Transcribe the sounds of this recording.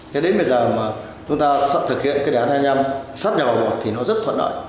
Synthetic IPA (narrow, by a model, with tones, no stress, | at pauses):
ke˨˦ɗe˨˦ɓi˧˨˩zəː˨˩maː˨˩ | t͡ɕʊ˨˦ŋ͡mt̪aː˧sa̰˧˨nt̪ʰɨ˨˩k̚hḭ˧˨ənkaː˨˦˥ɗa˦˥t̚haː˧ɲa˧msa˦˥t̚ɲa˨˩vaː˨˩mo̰˨˩t̚t̪ʰi˨˩nɔ˨˦zə˦˥t̚t̪ʰwə̰˧˨nɗə̰ː˧˨j